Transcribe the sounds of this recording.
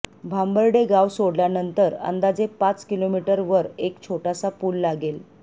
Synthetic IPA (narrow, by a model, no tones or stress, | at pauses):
bʱambəɾɖeɡawsoɽljanənt̪əɾə̰nd̪ad͡zepat͡skilomiʈəɾʋəɾekt͡ɕʰoʈasapuːlːaɡel